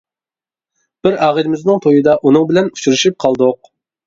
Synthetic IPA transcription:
b̥ɪɾɑːʁəlɪmɪznɪŋt̪ʰojɨd̪ɑʔunɨŋbɪlɛnut͡ʃʰuɾyʃyp̚qʰɑlˠd̪oq̚

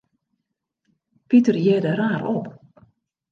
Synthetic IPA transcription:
pitərjɛdəɾaːɾop

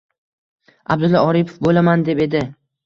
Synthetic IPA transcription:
ab̚d̪ʊlːɒɒɾipʰofbolamand̪e̞pe̞d̪ɪ

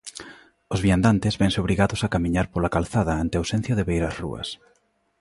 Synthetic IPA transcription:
ʊzβiand̪ant̪ɪzβɛŋsɪoβɾiɣaðʊsakamĩɲaɾpolakalθaðɐant̪eawsẽn̟θjoðeβejɾasrṵɐ̰s

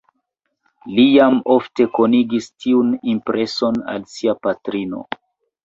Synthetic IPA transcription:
lijamo̞fte̞koniɡistiunimpɾʔe̞so̞na̰lsiapatɾino̞̰

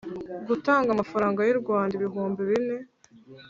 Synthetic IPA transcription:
ɡutaːŋɡamafaɾaːŋɡajiɾɡwaːndiβiɦuːmbiβine̞

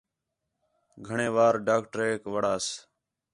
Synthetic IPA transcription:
ɡʱəɳeːʋaːɾɖaːkʈəɾeːkʋəɽaːs

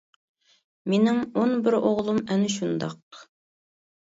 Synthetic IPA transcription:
menɪŋonbɪɾoʁlˠumɛnɪʃ̬und̪ɑq̚

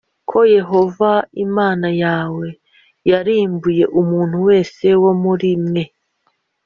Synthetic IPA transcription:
kʰo̞je̞ɦo̞vaimaːnajaːwe̞ | jaɾiːmbuje̞ʔumuːn̥huwe̞ːse̞wo̞muɾimŋe̞

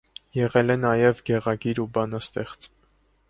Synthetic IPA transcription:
jɛʁɛlɛnɑjɛvɡɛʁɑɡiɾubɑnɑst̪ɛχt͡s

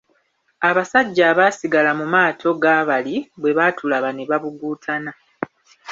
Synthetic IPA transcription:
aβasaɟːaːβaːsiɡalamumaːtʰo̞ɡaːβaliβwe̞βaːtʰulaβane̞βaβuɡuːtʰana

